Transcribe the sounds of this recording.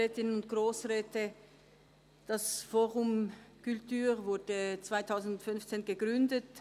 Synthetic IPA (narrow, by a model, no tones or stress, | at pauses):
ɛːtɪnənʊnt̚ɡ̥ʁoːsʁɛːtə | d̥asfoːʁʊmkʰyltyːʁvʊɐdət͡sv̥aɪtʰaʊzn̩dʊntfʏnft͡seːnɡəɡʁʏndət